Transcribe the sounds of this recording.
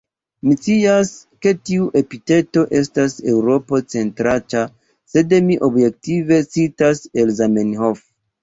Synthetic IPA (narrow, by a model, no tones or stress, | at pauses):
mit͡siaske̞tiuʔe̞pite̞to̞ʔe̞stase̞wɾo̞po̞t͡se̞ntɾata | se̞demiʔo̞bje̞k̚tive̞t͡sitase̞lzamenɦo̞f